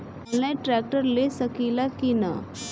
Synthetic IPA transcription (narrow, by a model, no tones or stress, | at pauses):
llajʈɾɛk̚ʈəɾlesəkilakina̰